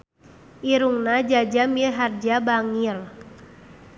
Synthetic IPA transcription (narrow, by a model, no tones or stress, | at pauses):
ʔiɾuŋnad͡ʒad͡ʒamiɦard͡ʒabaŋil